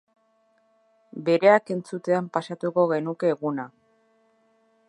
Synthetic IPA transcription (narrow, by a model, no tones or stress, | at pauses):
be̞ɾe̞ake̞nt͡sut̪e̞ampasat̪uko̞ɣe̞nuke̞ːɣuna